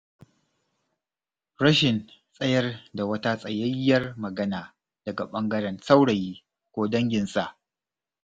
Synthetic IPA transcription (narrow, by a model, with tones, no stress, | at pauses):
ɾɐ˦ʃɪ˨nsʼɐ˦jɐ˦rda˨wɐ˦ta˦sʼɐ˨jɐ˦jːɐ˦rmɐ˨ɡɐ˦naː˨ | d̥ɐ˨ɡa̰˨ɓɐ˦ŋɡɐ˦ɽɐ˦nsa˦wɽɐ˨jiː˦ | kʷoː˦dɐ˦ŋɡʲɪ˨nsʼa˦˨ʔ